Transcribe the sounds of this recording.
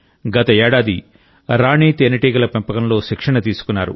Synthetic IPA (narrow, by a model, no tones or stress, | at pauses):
ɡɐt̪ɐɛːɽaːd̪i | ɾaːɳiːt̪enɐʈiːɡɐlɐpɐmpɐkɐmlo̞ːʃikʂɐɳɐt̪iːsu̥kunːaːɾṵ